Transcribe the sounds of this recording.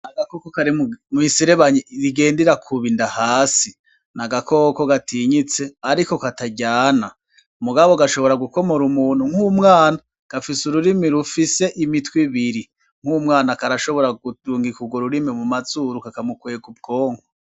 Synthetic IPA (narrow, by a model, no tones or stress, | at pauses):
naɡakokokaɾimuisiɾeβaɲiɾiɡe̞ːndeɾakʰuβindahaːsi | naɡako̞ko̞ɡatiɲit͡se̞aɾiko̞kataɟaːna | muɡaβoɡaʃo̞βo̞ɾaɡuko̞mo̞ɾumuːn̥uŋ̥humŋaːna | ɡ̥afisuɾuɾimiɾufise̞ʔimitwiβiɾi | ŋ̥umŋaːnakaɾaʃo̞βo̞ɾaɡutuːŋɡikuɡwoɾuɾimimumazuɾukakamukweːɡub̚ɡo̞ːŋho